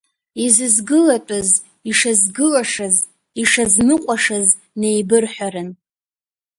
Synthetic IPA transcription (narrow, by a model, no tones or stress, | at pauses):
izɨzɡɨlatʼʊz | iʂazɡɨlaʂaz | iʂazmɨqʷʼaʂaz | ne̞jbɨrħʷᶣaɾɨn